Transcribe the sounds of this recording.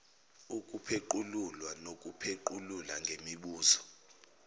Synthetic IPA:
ukʼupʰeǃululwanok̬ʼupʰeǃululaŋɡʱemiɓuːzɔ̥

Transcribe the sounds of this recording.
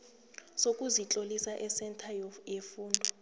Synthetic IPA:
sok̬ʼuzit͡ɬʼolisaʔɛsɛntʰajefuːndʱɔ

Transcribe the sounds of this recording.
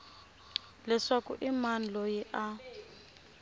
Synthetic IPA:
lɛʂakṵʔiman̩lojiʔa

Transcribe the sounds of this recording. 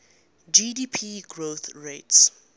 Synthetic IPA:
d͡ʒidiːpʰiɡɹoθɹets

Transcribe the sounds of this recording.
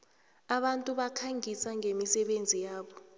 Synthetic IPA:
aɓantʼuɓakʰaŋisaŋʱemisɛɓend͡zʱijaːɓɔ

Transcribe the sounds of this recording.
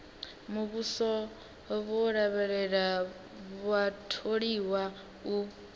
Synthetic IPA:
muβusɔ | βɔɺaβɛɺɛɺa | βatʰoɺiwa | u

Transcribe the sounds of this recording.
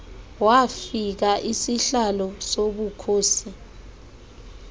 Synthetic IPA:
wafik̬aʔisiɬalɔsoɓukʰoːsi

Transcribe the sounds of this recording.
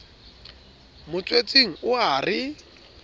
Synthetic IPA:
mʊt͡sʼwet͡sʼeŋ̩ʊarɪ

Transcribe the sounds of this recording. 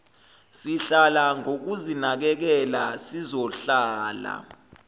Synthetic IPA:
siɬalaŋok̬uzinak̬ɛk̬ɛlasizɔɬaːla̰

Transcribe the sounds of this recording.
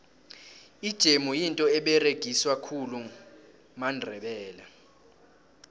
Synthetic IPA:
id̥ʒ̥ʱemujintʼɔɛɓɛreɡ̥ʱiswakʰulu | mandʱɛɓɛːla

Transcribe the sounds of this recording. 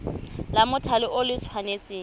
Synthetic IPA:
lamʊtʰalɪʔʊlɪt͡sʰwanet͡sʼeː

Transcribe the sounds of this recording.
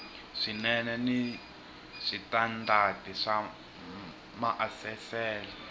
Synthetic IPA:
ʂinɛnɛni | ʂitandʱadʱiʂa | maʔafɛfɛːlɛ

